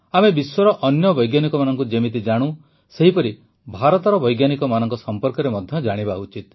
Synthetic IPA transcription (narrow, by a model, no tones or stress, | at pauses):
amebiswɔɾɔʔɔnjɔbɔjɡjanikɔmanɔŋkud͡ʒemit̪̬id͡ʒaɽ̃ũ | seɦipɔɾi | bʱaɾɔt̪ɔɾɔbɔjɡjanikɔmanɔŋkɔsɔmpɔɾkɔɾemɔd̪ʱjɔd͡ʒaɽ̃ibaut͡ʃit̪̚